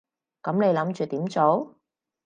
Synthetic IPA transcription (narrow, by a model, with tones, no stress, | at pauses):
kɐ˨˥mne˨˧jlɐ˨˥mt͡ʃyː˨t̪iː˨˥mt͡so˨˥w